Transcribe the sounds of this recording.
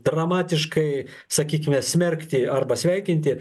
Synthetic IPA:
d̪rɐmɑːt̪ʲɪʃkɐɪ | sɐkʲiːkʲɪmʲɛːsʲmʲɛrʲkʲt̪ʲɪɐrbɐsʲʋʲæɪkʲɪnʲt̪ʲɪ

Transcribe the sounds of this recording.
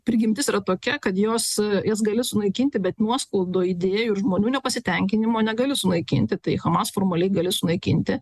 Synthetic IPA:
pʲɾʲɡʲɪmʲt̪ʲɪsiːɾɐt̪oːkʲɛkɐt̪joːsjɛsɡɐlʲɪsʊnɐɪkʲɪnʲt̪ʲɪbʲɛt̪nuɔskɐlˠd̪oːid̪ʲeːjʊɪɾʒmoːnʲuːnʲɛpɐsʲɪt̪ʲɛŋʲkʲɪnʲɪmoːnʲɛɡɐlʲɪsʊnɐɪkʲɪ̰nʲt̪ʲɪt̪ɐɪxɐmɑːsfoːrmɐlʲɛɪɡɐlʲɪsʊnɐɪkʲɪ̰nʲt̪ʲɪ

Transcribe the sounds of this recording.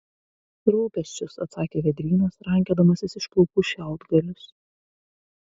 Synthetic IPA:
ɾuːpʲɛsʲt͡ʃʲʊsɐt̪sɑːkʲeːʋʲɛd̪ʲɾʲiːnosɾɐŋʲkʲeːd̪ɐmɐsʲɪsɪʃkˠʊkʊʃʲæˑʊd̪ɡɐlʲʊs

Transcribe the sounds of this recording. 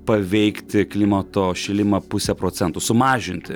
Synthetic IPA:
pɐʋʲɛɪkt̪ʲɪklʲiːmɐt̪oːʃʲɪlʲɪmɐpʊsʲɛpɾoːt̪sʲɛnt̪ʊsʊmɑːʒʲɪnʲt̪ʲɪ

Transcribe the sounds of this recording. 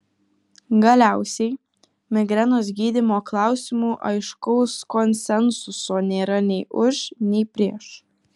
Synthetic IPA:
ɡɐlʲæˑʊsʲɛɪ | mʲɪɡɾʲɛnoːs̬ɡʲiːd̪ʲɪmoːklˠɑˑʊsʲɪmuːʔɐɪʃkɔʊskɔnʲsʲɛnsʊsoːnʲeːɾɐnʲɛɪʔʊʃnʲɛɪpʲɾʲiɛʃ

